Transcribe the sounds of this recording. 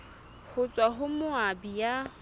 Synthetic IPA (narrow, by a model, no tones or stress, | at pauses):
hʊt͡sʼwaɦʊmʊabija